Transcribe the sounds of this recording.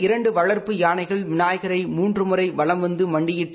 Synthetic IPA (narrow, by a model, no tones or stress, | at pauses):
ɪɾɐɳɖɯʋɐɭɐɾpɯjaːnɐɪɣɐɭmɪnaːjɐɣɐɾɐɪmuːndrɯmɯrɐɪʋɐɭɐmʋɐnd̪ɯmɐɳɖɪjɪʈː